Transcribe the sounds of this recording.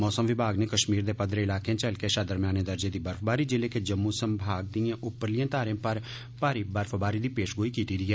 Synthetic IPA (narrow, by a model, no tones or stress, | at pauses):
mɔːsəmʋɪbʱaːɡneːkəʃmiːɾd̪eːpəd̪ɾəɪlaːkeãt͡ʃəlkeəʃaːd̪əɾmjaːneːd̪əɾd͡ʒeːd̪iːbəɾfʰbaːɾiːd͡ʒɪleːked͡ʒəmːuːsəmbʱaːɡ̚d̪iːãːʔʊpːəɾlijãːt̪aːɾẽːpəɾ | paːɾiːbəɾfʰbaːɾiːd̪iːpeːʃɡoːiːkiːt̪iːɾiːɛː